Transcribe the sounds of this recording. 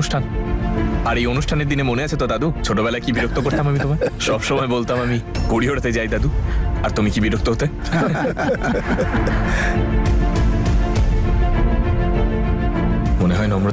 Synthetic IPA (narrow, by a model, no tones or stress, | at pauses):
uʃʈʰan | aɾejonuʃʈʰaneɾd̪inemoneat͡ɕʰet̪od̪ad̪ut͡ɕʰoʈobɛlaekibiɾok̚t̪okoɾt̪amamit̪omaɾʃɔbʃɔmɔebolt̪amamiɡoɽiɦoɽet̪ed͡ʑajd̪ad̪uaɾt̪omikibiɾok̚t̪oɦot̪e | moneɦɔenɔmɾo